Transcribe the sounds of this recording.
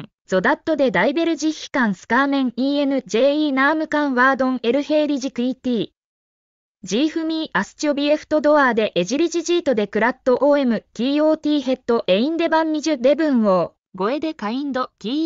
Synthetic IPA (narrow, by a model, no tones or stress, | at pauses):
d͡zo̞d̪at̪ːo̞d̪e̞d̪aibe̞ɾɯ̟ʑiːi̥kãɰ̃sɨ̥kaːmẽ̞ŋiːe̞nɯ̟d͡ʑe̞ːiːnaːmɯ̟kãɰ̃βaːd̪õ̞ŋe̞ɾɯ̟he̞ːɾʲiʑikɯ̟it̪ʲiː | d͡ʑiːɸɯ̟mʲiːʔasɨ̥t͡ɕiobʲie̞ɸɯ̟̥t̪o̞d̪o̞aːd̪e̞ʔːʑiɾʲiʑiʑiːt̪o̞d̪e̞kɯ̟ɾat̪ːo̞ʔoːe̞mɯ̟kʲiːo̞ːt̪ʲiːɦe̞t̪ːo̞ʔe̞ĩnd̪e̞bãɲ̟ːiʑɨɾe̞bɯ̟̃ɰ̃o̞ː | ɡo̞e̞d̪e̞kaĩnd̪o̞kʲiː